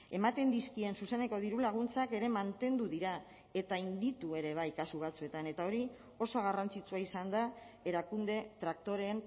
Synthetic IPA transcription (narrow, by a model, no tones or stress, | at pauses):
e̞mat̪e̞nd̪iskie̞nsuse̞ne̞ko̞ð̞iɾulaɣ̞unt͡sake̞ɾe̞mant̪e̞nd̪uðiɾa | e̞t̪aind̪it̪ue̞ɾe̞β̞ajkasuβ̞at͡sue̞t̪ane̞t̪ao̞ɾi | o̞soɣ̞arant͡sit͡suaisand̪a | e̞ɾakund̪e̞t̪ɾak̚t̪o̞ɾe̞n